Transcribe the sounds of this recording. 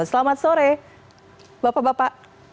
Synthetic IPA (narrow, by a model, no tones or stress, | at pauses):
səlamat̪̚soɾe | bapabapaʔ